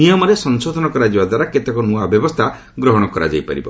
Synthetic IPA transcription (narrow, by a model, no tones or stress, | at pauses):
nijɔmɔɾesɔŋsod̪ʱɔnɔkɔɾad͡ʒibad̪ʱwaɾaket̪ekɔnuabjɔbɔst̪ʰa | ɡɾɔɦɔɽ̃ɔkɔɾa̰d͡ʒa̰jpa̰ɾḭbɔ